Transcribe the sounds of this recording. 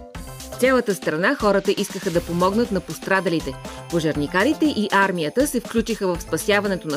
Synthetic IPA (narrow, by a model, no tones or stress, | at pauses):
ft̪sʲɛlˠət̪əst̪ɾɐnaxɔɾət̪əʔiskəxəd̪ɐpomɔɡnət̪nɐpost̪ɾad̪ɐlit̪ɛ | poʒɐɾnikaɾit̪ɛʔiʔaɾmʲijət̪əsɛfklʲut͡ʃixəvəfspɐsʲjavɐnɛt̪onɐ